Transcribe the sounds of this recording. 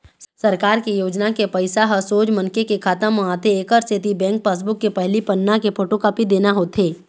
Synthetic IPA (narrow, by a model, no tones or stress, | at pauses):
sɐɾkaːɾkejoːd͡ʒnakepɐɪsaɦɐsoːd͡ʒmɐ̃nkekekʰaːt̪əmãt̪eːkəɾst̪ʰɪt̪ibɛ̃ːŋk̚paːs̬bʊkːepɛɦlipɐnːakepʰoːʈõkapid̪eːnaɦoːt̪ɦeː